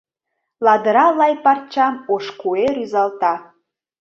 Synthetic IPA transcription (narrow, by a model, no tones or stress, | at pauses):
lɑd̪əɾɑlɑjpɑrt͡ɕɑmoʃkueɾyzɑlt̪ɑ